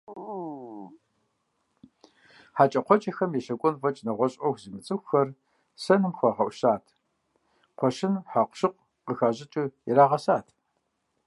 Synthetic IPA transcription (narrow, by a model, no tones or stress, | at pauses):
ħat͡ʃʼɐqʷɔt͡ʃʼɐxɐmjɛʃɐkʷʼɔnvɐt͡ʃʼnɐʁʷɔɕʼɐxzimɨt͡sʼɨxʷxɐr | sɐnɨmxʷaʁɐʔʷʃaːtʰ | qʷɔʃɪnħaqʷʃɨq̚ʷ | qəxaːʑɪt͡ʃʼɨjɛɾaːʁɐsaːtʰ